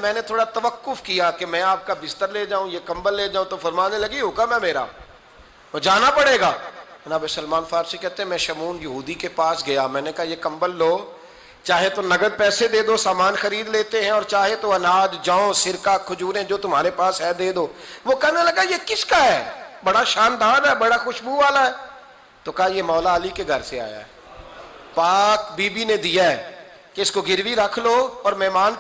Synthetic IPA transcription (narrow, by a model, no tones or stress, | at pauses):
mɛ̃ːnet̪ʰoːɽat̪ɐʋəkːʊfkijaːkemɛ̃ːaːp̚kabɪst̪əɾleːd͡ʒaːũjekɐ̃mbəlːeːd͡ʒaːũt̪ofɐɾmaːnelɐɡiɦokamɛ̃meːɾa̰ː | d͡ʒaːnapɐɽeːɡaːɐnaːbesəlmaːnfaːɾsikɛɦt̪ẽɦɛ̃mɛ̃ːʃɐmuːnjɐɦuːd̪ikepaːsɡɐjaːmɛ̃ːnekɐɦajekɐ̃mbəlːoː | t͡ʃaːɦet̪onɐɡəd̪̚pɛːsed̪eːd̪osaːmaːnxɐɾiːd̪leːt̪eɦɛ̃ɔːɾt͡ʃaːɦet̪oɐnaːd͡ʒd͡ʒãːõsɪɾkaːkʰːʊd͡ʒuːɾɦɛ̃d͡ʒoːt̪ʊm̤aːɾepaːsɦɛːd̪eːd̪oːʋoːkɛnaləɡajekɪskaɦɛːbɐɽaʃaːnd̪aːd̪ɛːbɐɽaxʊʃbuʋaːlaɦɛː | t̪oːkɐɦajeːmɔːlaːlikeɡʱəɾsea̰ːja̰ːɦɛ | paːkbiːbined̪ijaɛ | keɪskoɡɪɾʋiɾəkʰloːɔːɾmɛɦmaːn